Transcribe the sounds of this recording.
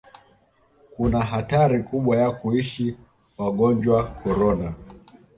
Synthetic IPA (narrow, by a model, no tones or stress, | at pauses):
kunaɦataɾikuɓwajakuiʃi | waɠɔnd͡ʒwakɔɾɔna